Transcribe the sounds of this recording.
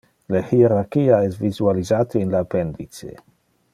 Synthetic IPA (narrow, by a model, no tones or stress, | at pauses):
lehieɾaɾkiːaɛsvizualizaːt̪einlapɛnd̪it͡sḛ